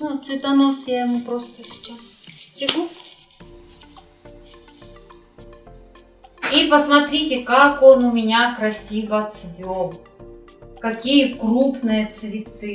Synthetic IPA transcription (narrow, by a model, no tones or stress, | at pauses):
nut̪svʲɪt̪ɐnosjaɪmupɾost̪əsʲɪ̥t͡ʃassʲt̪ɾʲɪɡu | ipəsmɐt̪ɾʲitʲɪkakonʊmʲɪnʲakɾɐsʲivət̪svʲolˠ | kɐkʲijəkrupnɨjət̪svʲɪt̪ɨ